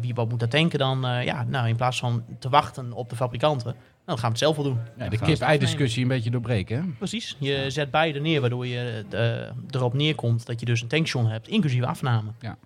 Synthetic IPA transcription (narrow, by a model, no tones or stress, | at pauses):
ʋijəʋɔtmut̚dɔtɪŋkədɔnja̰nawɪnplaːsfɔntəʋɑxtənɔp̚dəfabrikɑntə | nadɔxaːnʋətsɛlˠfʋolˠdundəkɪpɛjdɪskøsiənbeːtədoːbreːkɛprəsisjəzɛt̚bɛjdənɪəʋaːdoːjə̰ | dərɔpnɪəkʰomtdɔtjədøs̬əntɛŋksjonɦɛp̚tʰɪŋklysivəa̰fnaːmə